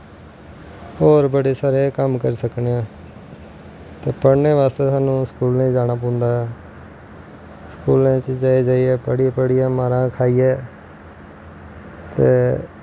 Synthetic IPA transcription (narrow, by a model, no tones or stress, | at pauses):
oːɾbəɽeːsaːɾeːkəmkəɾiːsəkneːãː | t̪eːpəɽneːʋaːst̪eːsaːnũːskuːlnẽd͡ʒaːnaːp̬õːnd̪aːɦɛ | skuːlẽːt͡ʃd͡ʒaːeːd͡ʒaːiːɛːpəɽiːpəɽɪjaːmaːɾãːkʰaːiːɛː | t̪ḛː